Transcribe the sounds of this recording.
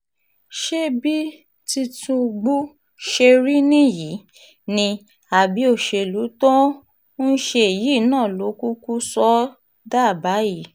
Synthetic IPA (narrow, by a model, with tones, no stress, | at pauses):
ʃe˦bi˦ | ti˧tũ˧ɡ͡bu˦ | ʃe˧ɾi˦nĩ˦ji˨˦ | nĩ˧ | a˨bi˨˦o˦˨ʃe˧˨lu˨˦tɔ̃˦ | n̩˦ʃe˧e˨ji˨˦˨nãː˦˨lo˨˦ku˦ku˦sɔ˦ | da˦˨ba˨˦ji˦˨